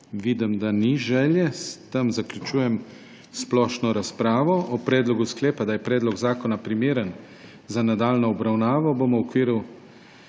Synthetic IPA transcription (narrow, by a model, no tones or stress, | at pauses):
ʋid̪əmd̪aniʒɛːljɛst̪əmzaklʲut͡ʃuːjɛm | splɔːʃnɔɾaspɾaːʋɔʔɔpɾɛːd̪lɔɡusklɛːpad̪ajɛpɾɛːd̪lɔɡzaːkɔnapɾimeːɾən | zanad̪aːlnɔɔbɾawnaːʋɔbomuɔkʋiːɾu